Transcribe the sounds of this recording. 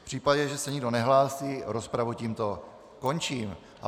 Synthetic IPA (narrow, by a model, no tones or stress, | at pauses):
pr̥iːpaɟɛʒɛsɛɲɪɡdo̞nɛɦlaːsiːɾospɾavuciːmt̪o̞ | ko̞nt͡ʃiːm | ʔa